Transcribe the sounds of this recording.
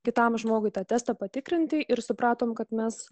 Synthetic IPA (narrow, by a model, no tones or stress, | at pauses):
kʲɪt̪ɐmʒmoːɡʊɪt̪ɑːt̪ʲæːst̪ɑpɐt̪ʲɪkɾʲɪnʲt̪ʲɪʔɪɾsʊpɾɑːt̪oːmkɐt̪mʲɛs